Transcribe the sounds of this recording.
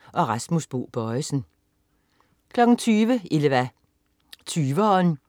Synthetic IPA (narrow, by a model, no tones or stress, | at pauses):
ʔɒ̽ʁɑ̈smusb̥o̝̰ːb̥ɒɪsn̩ | kʰlɒ̽ɡ̥n̩t͡sʰyːʋəeləʋæ | t͡sʰyːʋəɒːn